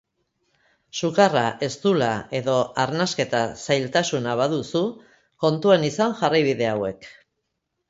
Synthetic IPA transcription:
sukaraʔe̞st̪ulae̞ðo̞aɾnaske̞t̪asajlt̪asunaβ̞aðusu | ko̞nt̪uenisaŋʝarajβ̞iðe̞awe̞k

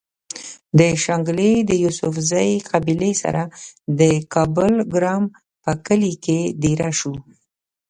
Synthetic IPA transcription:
d̪əʃaŋɡled̪əjusʊfzajqabilesa̰ɾʔad̪əkɑbʊlɡɾɑm | pəkəliked̪eɾaʃu

